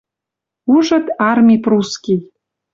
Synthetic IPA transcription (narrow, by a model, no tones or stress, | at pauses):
uʒə̆t̪ɑrmʲipruskʲij